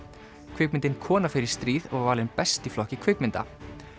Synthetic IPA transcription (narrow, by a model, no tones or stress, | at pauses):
kʰvʏk̚mɪnt̪ɪnkʰɔːnafɪɾɪɾ̥st̪ɾiːðɔɣvaːlɪnpɛst̪iflɔhcɪkʰvʏkmɪnt̪a̰